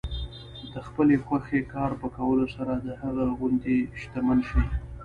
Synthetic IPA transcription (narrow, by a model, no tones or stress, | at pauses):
d̪əxpəlexwaxekɑɾpəkawəlosaɾad̪əhaɣaɣʊnd̪iʃt̪amanʃi